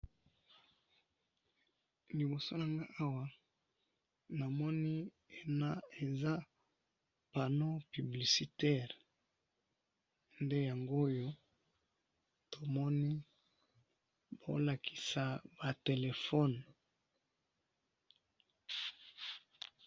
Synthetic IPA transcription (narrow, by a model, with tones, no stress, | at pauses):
li˨bo˨so˦na˨ŋɡa˦ʔa˦wa˦ | na˨mɔ˦ni˦ | e˨na˦e˨za˦ | pa˨no˦py˨bli˨si˨tɛ˦˨ʁ | nde˦ja˨ŋɡo˦jo˦ | to˨mɔ˦ni˦ | bo̰˨la˨kʰi̥˨sa˨ba˨te˨le˨fɔ˦n